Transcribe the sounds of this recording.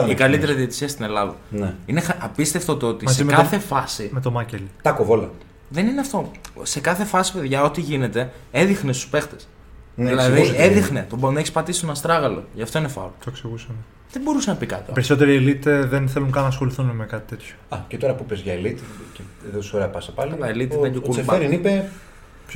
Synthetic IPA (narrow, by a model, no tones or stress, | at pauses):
ikɐlit̪e̞ɾiðiet̪i̥siɐst̪ine̞lɐðɐ̰neinexʔɐpist̪e̞ft̪ot̪oot̪imszeimekɐθefɐsimet̪o̞mɐcelit̪ɐkovolɐ̰ | ðenineɐft̪o̞se̞kɐθe̞fɐsi̥pe̞ðʝɐo̞t̪iʝine̞t̪e̞eðixnest̪u̥spe̞xt̪es | nilɐðiseðixnet̪obonɐeçispɐt̪isi̥st̪onɐst̪ɾɐɣɐlo̰ʝɐft̪o̞inefɐ̰lot̪oeksiɣusɐme | ðebo̞ɾusenɐpikɐ̰t̪opeɾiso̞t̪e̞ɾielit̪eðenθe̞lunkɐnɐːsxo̞liθunmekɐt̪i̥t̪e̞t̪ço̥ɐcet̪o̞ɾɐpupezʝɐelit̪iceðot̪soɾeɐpɐsɐpɐlilɐelit̪iðeɟokuleeɾinipe